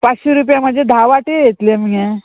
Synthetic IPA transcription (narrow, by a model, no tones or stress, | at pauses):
pat͡sɕiɾup̬jaməd̪d͡zʱjed̪ʱaʋaʈejet̪leməe